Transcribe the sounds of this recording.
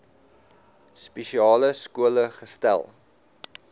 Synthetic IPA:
spɛʃiɑːləskuələχəstæ̰lˠ

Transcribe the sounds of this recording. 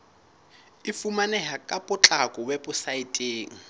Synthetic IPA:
ɪfumanɛɦakʼapʊt͡ɬʼakʼɔwebʊsaitʼeːŋ̩

